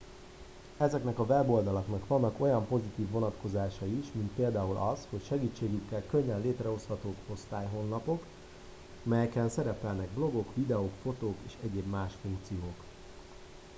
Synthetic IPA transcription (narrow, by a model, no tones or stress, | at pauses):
ɛzɛknɛkɒvɛbo̞ld̪ɒlɒknɒkʋɒnːɒko̞jɒmpo̞zit̪iːvːo̞nɒt̪ko̞zaːʃɒiʃmint̪̚peːld̪aːulʔɒsho̞cʃɛɡiːt͡ʃːeːɡykːɛlkø̞ɲːɛnleːt̪rɛo̞shɒt̪oːko̞st̪aːjɦo̞nːɒpo̞k | mɛjɛkɛnsɛɾɛpɛlnɛɡ̚blo̞ɡo̞kʋid̪ɛoːkfo̞t̪oːkeːʃɛɟeːbmaːʃfuŋkt̪sijoːk